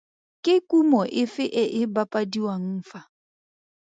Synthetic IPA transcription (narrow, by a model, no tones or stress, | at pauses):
kɪkumɔʔɪfɪʔɛʔɪbapadiwaŋ̩fa